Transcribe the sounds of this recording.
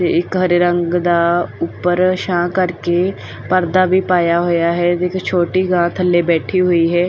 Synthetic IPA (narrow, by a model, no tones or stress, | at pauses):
t̪eːɪkɦəɾeɾəŋɡd̪aːʊpːəɾʃãːkəɾkeː | pəɾd̪aːbiːpaːjaːɦoːjaːɦɛːt̪eɪkt͡ʃʰoːʈiːɡãːt̪ʰəlːeːbɛːʈʰiːɦoːiːɦɛː